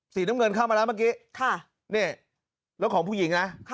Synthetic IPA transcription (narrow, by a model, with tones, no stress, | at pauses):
siː˨˦naː˦˥ŋɤ˧nkʰa˥˩wmaː˧laː˦˥maː˦˥k̬iː˦˥kʰa˥˩ | ni˥˩ | lɛː˦˥wkʰɔː˩˦pʰuː˥˩ji˩˦ŋna˦˥